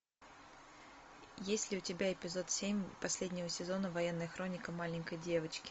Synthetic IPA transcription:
jesʲtʲlʲɪʊtʲɪbʲaɪpʲɪzo̞t̪sʲemʲpɐsʲlʲedʲnʲɪvəsʲɪzo̞nəvɐjenːəjəxɾo̞nʲɪkəmalʲɪnʲkəjdʲe̞vət͡ɕkʲɪ̥

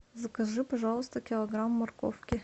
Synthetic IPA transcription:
zɐkɐʐɨpɐʐalˠʊst̪əkʲɪlˠɐɡɾamːɐrko̰fkʲɪ

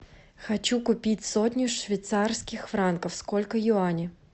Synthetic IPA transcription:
xɐt͡ɕukʊpʲitʲsotʲnʲʊʂvʲɪjt̪sarskʲɪxfɾankəfskolʲkəjʊanʲɪ

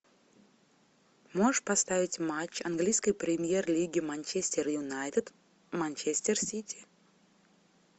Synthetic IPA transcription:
moʂpɐst̪avʲɪtʲmat͡ɕːɐnɡlʲijskəjpɾʲɪmʲjerlʲiɡʲɪmanʲt͡ɕesʲtʲɪrjʊnajt̪ʲɪt̪ | manʲt͡ɕesʲtʲɪrsʲitʲʰi̥

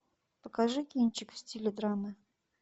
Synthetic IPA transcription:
pəkaʐɨkʲinʲt͡ɕɪkfsʲtʲilʲɪd̪ɾamɨ

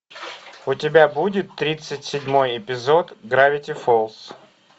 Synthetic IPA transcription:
ʊtʲɪbʲabudʲɪt̪ːɾʲit̪sɨtʲsʲɪdʲmojɪpʲɪzo̞t̪ɡɾavʲɪtʲɪfolˠs

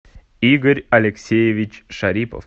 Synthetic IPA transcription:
iɡəɾʲɐlʲeksʲejevʲɪt͡ɕʂaɾʲipə̰f

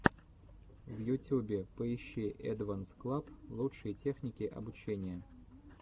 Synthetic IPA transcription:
vjʊtʲubʲɪpəɪɕːiʔɛd̪vansklˠaplˠutʂɨjətʲexnʲɪkʲɪʔɐ̰bʊt͡ɕenʲɪjə

